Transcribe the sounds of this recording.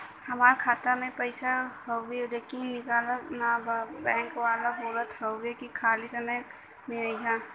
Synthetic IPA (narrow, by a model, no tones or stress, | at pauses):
hɐmaːɾkʰaːt̪əmẽpəɪsaɦoweɾekinɪkaːləknabɛ̃ːŋkʋaːlabʱoːɾət̪ɦowekikʰaːlisəməj | mẽaiɦa